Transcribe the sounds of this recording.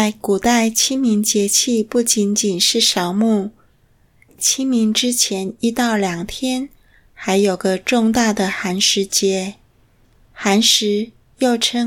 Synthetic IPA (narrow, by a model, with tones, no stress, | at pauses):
t͡sa˥˩ɪku˨˩t̪a˥˩ɪt͡ɕʰi˥ŋmi˧˥ŋt͡ɕjɛ˧˥t͡ɕʰi˥˧pu˥˩t͡ɕi˧˥nt͡ɕi˨˩nʂɻ̩˥˩ʂɑ˧˥ʊmu˥˩ | t͡ɕʰi˥ŋmi˧˥ŋʈ͡ʂɻ̩˥t͡ɕʰjɛ˧˥ni˥t̪ɑ˥˩ʊljɑ˨˩ŋt̪ʰjɛ˥n | xa˧˥ɪjo˨˩ʊɡə˦ʈ͡ʂʊ˥˧ŋt̪a˥˩d̪ə˩xa˧˥nʂɻ̩˧˥t͡ɕjɛ˧˥ | xa˧˥nʂɻ̩˧˥ | jo˥˩ʊʈ͡ʂʰɤ˥